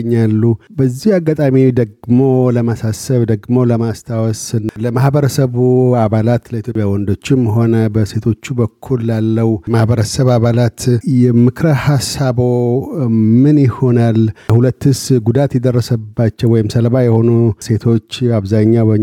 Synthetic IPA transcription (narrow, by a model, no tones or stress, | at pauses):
ɲːalːubəzːihaɡːat̪ʼamid̪əɡmo̞ləmasasəβd̪əɡmo̞ləmast̪ʰawɔsnləmahbəɾəsəβuaβalat̪ləit̪ʰjo̞pʼjawɔnd̪o̞t͡ʃːɪmɦo̞nəbəse̞t̪ʰo̞t͡ʃːubəkʰːulːalːəwmahbəɾəsəβaβalat̪jɛmɨkɾhasaβo̞ | mɨnjɪho̞nalhulət̪ːɨsɡud̪at̪jɛd̪ərːəsəbːat͡ʃːəwɔjɪmsəlbajɛho̞nuse̞t̪ʰo̞t͡ʃːaβzaɲːabə